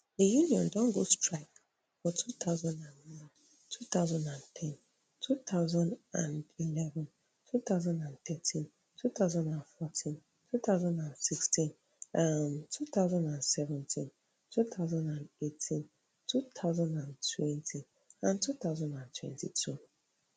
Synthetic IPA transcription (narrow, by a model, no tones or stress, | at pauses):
dejunĩɔ̰̃ndɔ̃ŋɡostʰɹaɪk | fɔtʰut̪ʰaʊzãndãnnã | tʰut̪ʰaʊzãnãntʰɛ̃n | tʰut̪ʰaʊzãnã̰ndilɛvɛ̃n | tʰut̪ʰaʊzãndãnt̪ʰɛtʰĩn | tʰut̪ʰaʊzãndãnfɔtʰĩn | tʰut̪ʰawzãndãnsikstʰĩn | amtʰut̪aʊzãndãnsɛvɛ̃ntʰĩn | tʰut̪ʰaʊzãndãnetʰĩn | tʰut̪ʰaʊzãndãntʰwɛ̃ntʰĩn | ãntʰut̪awzãndãntʰwɛ̰̃ntʰitʰu